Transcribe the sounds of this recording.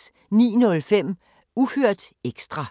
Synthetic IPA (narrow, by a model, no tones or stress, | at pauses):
nḭːnɔ̽lfem̰ | uhøɐ̰d̥eɡ̥sd̥ʁɑ̈